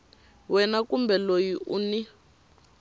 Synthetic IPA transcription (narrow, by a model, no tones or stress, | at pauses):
wɛnakumbɛlojiʔṵni